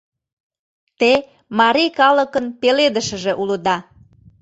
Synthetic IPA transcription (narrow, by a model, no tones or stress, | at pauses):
t̪e | mɑɾijkɑləkənpeled̪əʃə̆ʒeʔuləd̪ɑ